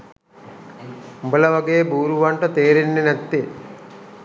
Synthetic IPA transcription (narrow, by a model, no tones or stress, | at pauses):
mbəlɐʋɐɡejbuːɾuʋɐɳʈət̪eːɾinːenæt̪ːe